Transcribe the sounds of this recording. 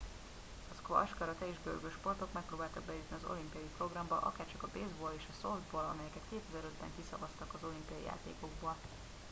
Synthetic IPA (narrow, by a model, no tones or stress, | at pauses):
ɒskoɒʃkɒɾɒt̪ɛeːʒbø̰lɡøʃpo̞rt̪o̞kmɛk̚proːbaːlt̪ɒɡ̚bɛizniɒzo̞̰limpijɒjipro̞ɡrɒmbɒʔɒ̰kaːrt͡ʃɒkɒbeːzboːleːʃɒsond̪boːlɒ̰mɛjɛkɛt̪keːt̪yzɛɾød̪bɛŋkisɒvɒst̪ɒkɒzo̞limpijɒjḭja̰ːt̪ḛːko̞ɡboːl